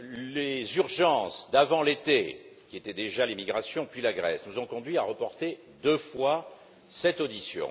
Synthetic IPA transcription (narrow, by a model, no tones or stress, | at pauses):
lezyʁʒɑ̃sd̪avɑ̃let̪ekʲiet̪ɛd̪eʒalimiɡʁasjɔ̃pɥilaɡʁɛsnuzɔ̃kɔ̃d̪ɥiaʁəpɔʁt̪e | d̪øfwa | sɛt̪od̪isjɔ̰̃